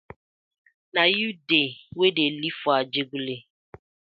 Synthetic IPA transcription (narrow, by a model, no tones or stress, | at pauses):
najudewedelifʊad͡ʒeɡule